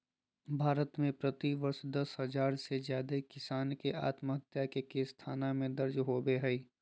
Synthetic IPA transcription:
bʱaːɾət̪mẽpɾət̪iʋəɾʃd̪ɐsɦəd͡ʒaːɾsed͡ʒjaːd̪ekɪsaːnkeʔa̰ːt̪məɦət̪jakekest̪ʰaːnamẽd̪ɐɾd͡ʒɦobeɦɛi

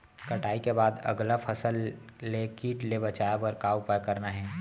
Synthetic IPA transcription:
kɐʈaːikebaːd̪ɐ̰ɡlafʰɐsəlːekiːʈlebɐt͡ʃaːjabɔːɾkaʊpajkɐɾnaɦɛː

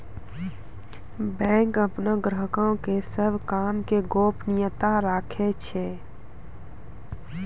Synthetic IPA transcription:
bɛ̃ːŋkəpnəɡɾəɦəkõkesəbʱkaːmkeɡoːpnɪjət̪aɾaːkʰet͡ʃʰɛ

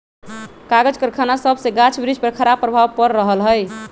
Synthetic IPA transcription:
kaɡəd͡ʒkəɾkʰanasəbʱsẽɡat͡ʃʰbɾid͡ʒʱpəɾkʰəɾabpɾəbʱawpəɾːəɦəlɦəj

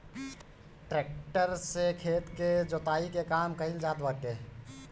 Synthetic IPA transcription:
ʈɾeːk̚ʈəɾsekʰeːt̪ked͡ʒoːt̪aːikekaːmkəɦɪld͡ʒaːd̪bəʈeː

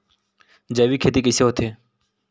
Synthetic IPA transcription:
d͡ʒəʋiːkʰeːt̪ikɪseɦot̪ʰeː

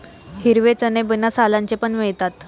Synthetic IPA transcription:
hiɾʋet͡sənebənasalaɲt͡ɕepəɳʋeɭt̪at̪

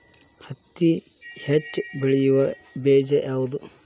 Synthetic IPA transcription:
hɐt̪ːi | het͡ʃːbiɭijuʋɐ | beːd͡ʒɐʔaːʋud̪u

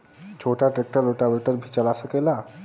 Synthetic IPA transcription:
t͡ɕʰoʈaʈɾek̚ʈəɾloʈabeʈəɾbʱit͡ɕalaːsəkela

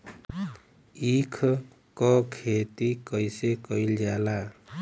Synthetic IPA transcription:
ikʰ | kʌkʰet̪ikʌjsekʌjld͡ʒala

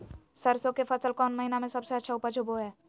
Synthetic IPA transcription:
səɾsõkefɐsəlkɔːnməɦinamẽsɐbseɐtːʃʰaʊpət͡ʃʰʊboɦɛː

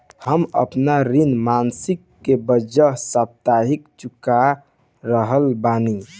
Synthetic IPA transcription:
həmə̰pnaɾinmansikːebəd͡ʒəɦsap̚t̪aɦikt͡ʃuka | ɾəɦəlbani

